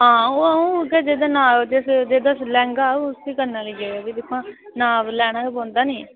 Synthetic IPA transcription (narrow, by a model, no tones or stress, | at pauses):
ɦãːoːũːkɛːd͡ʒeːd̪aːnaːd͡ʒ̪esd͡ʒeːd̪aːslɛ̃ːŋɡaːost̪iːkəɾnaːliːɡeːaːbiːd̪ɪkʰːãːnaːʋlɛːɽ̃ãːkebɔ̃ːnd̪aːnĩː